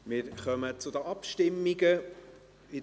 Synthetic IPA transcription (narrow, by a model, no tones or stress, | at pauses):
mɪːɾχœmət͡sʊdəʔɑpʃtɪmːiɡə | ɪ